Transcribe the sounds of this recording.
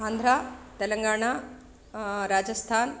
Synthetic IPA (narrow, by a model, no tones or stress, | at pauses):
and̪ʱɾat̪eləŋɡaːɽ̃a | ɾaːd͡ʒəst̪ʰaːn